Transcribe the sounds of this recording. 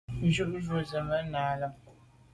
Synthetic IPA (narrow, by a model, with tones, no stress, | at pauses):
n̩˦ʒu˦ʔzo˨zə˨mə˦naː˨lə˦